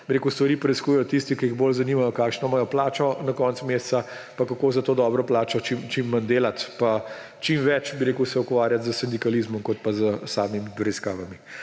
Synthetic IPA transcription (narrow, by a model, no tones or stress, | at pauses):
b̥iɾekust̪ʋɐɾiːpɾɛiskuːjɛjɔt̪ist̪ikiiɣboːlzɐniːmajɔkaːkʃnɔmajɔplaːt͡ʃɔnɐkɔːnt̪smeːst̪sa | pakakoːzɐt̪oːd̪ɔːbɾɔplaːt͡ʃɔt͡ʃimt͡ʃimːənd̪eːlat̪pa | t͡ʃimʋɛt͡ʃbiɾeːkusɛukʋaːɾjat̪zəsɛnd̪ikaliːzmɔmkɔt̪̚pazəsaːmimipɾɛiskaːʋami